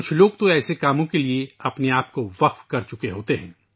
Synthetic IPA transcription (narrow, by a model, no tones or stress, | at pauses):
kʊt͡ʃʰloːɡ̚t̪oɛːsekaːmõkelieɐpneaːp̚koʋɐqfkɐɾt͡ʃʊkeɦoːt̪eɦɛ̃ː